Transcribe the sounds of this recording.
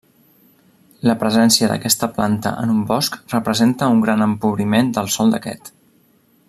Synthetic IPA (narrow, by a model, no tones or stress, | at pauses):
ləpɾəzɛnsiəðə̰kɛst̪əplant̪ə̰ʔə̰numbɔskrəpɾəzent̪əuŋɡɾanəmpuβɾimend̪əlˠsɔlˠd̪əkɛ̰t̪